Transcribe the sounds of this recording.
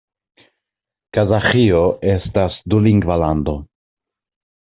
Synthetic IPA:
kazaxio̞ʔe̞stasduliŋɡvalando̞

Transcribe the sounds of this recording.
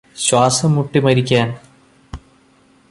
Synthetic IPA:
ɕwaːsɐmːuʈːimɐɾikʲːaːn

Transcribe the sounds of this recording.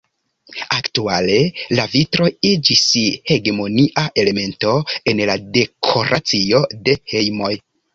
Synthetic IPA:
aktuale̞lavitɾo̞id͡ʒishe̞ɡemo̞niʔaʔe̞le̞me̞nto̞e̞nlade̞kʰo̞ɾʔat͡sio̞de̞he̞jmo̞j

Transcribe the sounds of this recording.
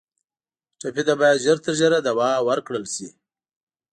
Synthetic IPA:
ʈ͡ʂapid̪abɑjad̪ʒəɾt̪əɾʒəɾad̪awɑwəɾkɽəlʃi

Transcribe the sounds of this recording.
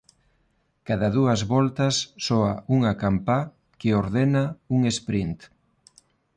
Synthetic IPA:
kaðɐðuɐzβɔlt̪ɐsːɔauŋakampa | keoɾðenauŋespɾint̪

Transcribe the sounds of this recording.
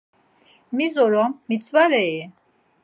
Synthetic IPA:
mizɔɾɔmːit͡sʼvaɾɛi

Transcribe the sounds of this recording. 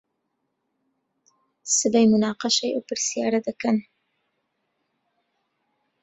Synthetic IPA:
sɨbajmʊnɑːqɑʃajawpəɾsijɑɾad̪akan

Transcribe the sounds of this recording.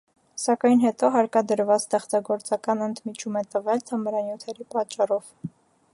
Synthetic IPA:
sɑkɑjnɦɛt̪ɔɦɑɾkɑd̪əɾvɑt͡st̪ɛχt͡sɑɡɔɾt͡sɑkɑnənd̪mit͡ʃʰumɛt̪əvɛlt̪ʰəməɾɑnjut̪ʰɛɾipɑt͡ʃːɑrɔv̥

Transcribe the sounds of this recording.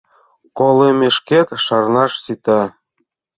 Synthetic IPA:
kolemʲeʃkʲet̪ʃɑrnɑʃsit̪ɑ

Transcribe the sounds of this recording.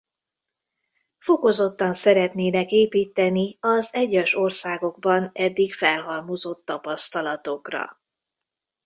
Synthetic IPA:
fo̞ko̞zo̞t̪ːɒnsɛɾɛt̪neːnɛkeːpiːt̪ːɛniɒzɛɟːɛʃo̞rsaːɡo̞ɡ̚bɒnɛd̪ːikfɛlɦɒrmozo̞t̪ːɒpɒst̪ɒlɒt̪o̞krɒ̰

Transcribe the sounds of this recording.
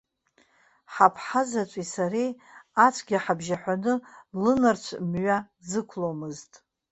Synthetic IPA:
ħapʰħazat͡ʃʷʼisaɾijat͡ʃʷʰʼɡʲaħabʒaħʷanɨlɨnart͡ʃʷʰmɥa | zɨkʷʰlomɨztʼ

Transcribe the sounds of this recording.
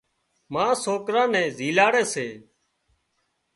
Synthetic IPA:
mãːsoːkɾãːnɛ̃ːzʱiːlaːɽɛːseː

